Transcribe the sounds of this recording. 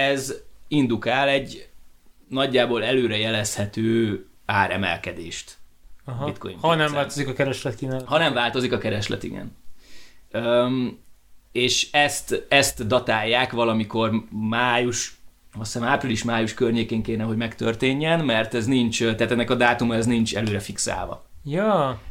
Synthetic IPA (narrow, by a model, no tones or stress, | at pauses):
ɛzind̪ukaːlɛɟː | nɒɟːaːboːlɛløːɾɛjɛlɛshɛt̪øː | aːɾɛ̰mɛ̰lkɛd̪eːʃt̪ | ɦit̪̚ko̰jḭmnɛmvaːlt̪ozikɒkɛɾɛʃlɛt̪kinɛhɒnɛɱvaːlt̪o̞zikɒkɛɾɛʃlɛ̰t̪ḭɡɛ̰n | ø | eːʃɛst̪ɛst̪d̪ɒt̪aːjːaːkʋɒlɒmiko̞rmaːjuʃɒsɛnaːpriliʃmaːjuʃkørɲeːkeːŋkeːrnɛɦo̞ɟmɛkt̪ørt̪eːɲːɛnmɛrt̪ɛznint͡ʃt̪ɛat̪ɛnːɛkɒd̪aːt̪umɒɛznint͡ʃɛ̰løːɾɛfiksa̰ːlvɒ̰ | jɒː